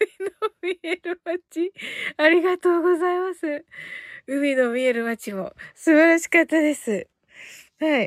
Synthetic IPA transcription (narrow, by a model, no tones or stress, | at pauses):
ɯminomʲieɾɯ̟mat͡ɕiaɾʲiɡat̪o̞ːɡo̞zaimasɨ | ɯ̟mino̞mʲie̞ɾɯ̟mat͡ɕimo̞̰sɨbaɾaɕi̥kat̪ːad̪e̞sɨ | hai